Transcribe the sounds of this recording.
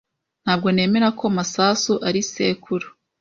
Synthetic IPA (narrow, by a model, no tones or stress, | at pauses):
n̥haːb̚ɡo̞ne̞ːme̞ɾakʰo̞masaːsuʔaɾise̞̰ːkʰuɾu